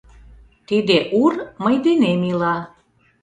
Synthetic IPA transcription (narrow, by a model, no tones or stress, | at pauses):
t̪id̪eʔurməjd̪enemilɑ